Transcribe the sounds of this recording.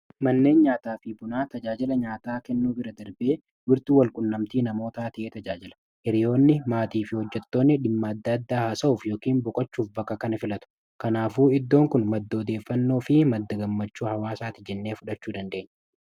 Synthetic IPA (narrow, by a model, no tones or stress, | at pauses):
mɐnːe̞ːnɲaːt̪aːfɪbʊnaːt̪ɐd͡ʒaːd͡ʒɪlɐɲaːt̪aːkɛnːuːbɪɾɐd̪ɐɾbe̞ː | wɪɾt̪uːwɐlkʼʊnːɐmt̪iːnɐmo̞ːt̪aːt̪ɪʔeːt̪ɐd͡ʒaːd͡ʒɪlɐ̥ | ʔɛɾɪjo̞ːnːɪmaːt̪iːfɪhɔd͡ʒːɛt̪ːo̞ːnːɪᶑɪmːɐɐd̪ːɐɐd̪ːaːhaːsɐuːfjo̞ːkiːmbɔkʼɐt͡ʃːuːfbɐkːɐkɐnɐfɪlɐt̪ʊ̥ | kɐnaːfuːɪd̪ːoːŋkʊnmɐd̪ːɐːd̪e̞ːfːɐnːo̞ːfɪmɐd̪ːɐɡɐmːɐt͡ʃːuːhɐwaːsaːt̪ɪd͡ʒɛnːe̞ːfʊᶑɐt͡ʃːuːd̪ɐnd̪e̞ːɲː